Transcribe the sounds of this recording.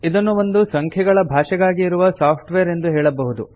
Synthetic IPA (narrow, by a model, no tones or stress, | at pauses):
id̪ɐnːuʋond̪usɐŋkʰjɐɡɐɭɐbʱaːʃɛɡaːɡiːɾuʋɐsaːpʰʈʋɛɐɾe̞nd̪uɦɛːɭɐbɐɦud̪u